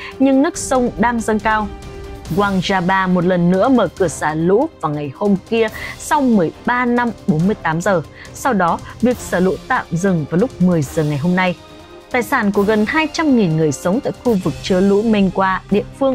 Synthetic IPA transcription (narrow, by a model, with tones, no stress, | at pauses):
ɲɨ˧ŋnɨ˦˥ək̚sə˧wŋ͡mɗaː˧ŋzə˧ŋkaː˧wɣwaː˧ŋzaː˧ɓaː˧mo˨˩t̚lə˨˩nːɨ̰˧˥əməː˧˩kɨ˧˩əsaː˧˩lṵ˧˥vaː˨˩wŋa˨˩jho˧mki˧əsa˧wmɨ˨˩əjɓaː˧na˧mɓo˨˦nmɨ˧əjt̪aː˨˦mzəː˨˩ | sa˧wɗɔ˨˦vi˨˩ək̚səː˧˩lṵ˧˥t̪a̰ː˧˨mzɨ˨˩ŋvaː˨˩wlʊ˦˥k͡p̚mɨ˨˩əjzəː˨˩ŋa˨˩jɦo˧mna˧j | t̪aː˨˩jsaː˧˩nku˧˩əɣə˨˩nhaː˧jt͡ɕa˧mŋi˨˩nŋɨ˨˩əjsə˨˦wŋ͡mt̪a̰ː˧˨jxu˧vɨ˨˩k̚t͡ɕɨ˧əlṵ˧˥mi˧ŋ̟kwaː˧ɗḭ˧˨əfɨ˧əŋ